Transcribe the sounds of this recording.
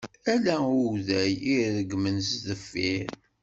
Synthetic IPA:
ælæʊðæjiɾðəɡmənzðəfːiɾ

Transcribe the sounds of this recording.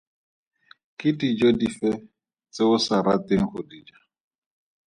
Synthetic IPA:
kɪdid͡ʒodifɛ | t͡seʊsaɾatɪŋ̩χʊdid͡ʒa

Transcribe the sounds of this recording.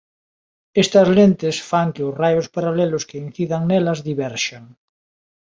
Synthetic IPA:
est̪ɐzlent̪ɪsfaŋkeʊsrajospaɾalɛlʊskein̟θiðaŋnɛlɐzðiβɛɾʃaŋ

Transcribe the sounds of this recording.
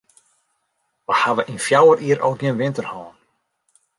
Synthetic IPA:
ʋahavəʔinfjawərʔiːəɾʔɔ̰wɡənʋɪntərhɔːn

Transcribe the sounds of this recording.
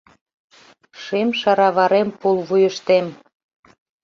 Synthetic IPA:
ʃemʃɑɾɑβɑɾempulβujəʃt̪em

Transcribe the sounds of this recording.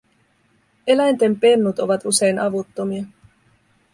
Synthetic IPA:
e̞læjnt̪e̞mpe̞nːut̪o̞ʋɑt̪use̞jnʔɑʋut̪ːo̞miɑ

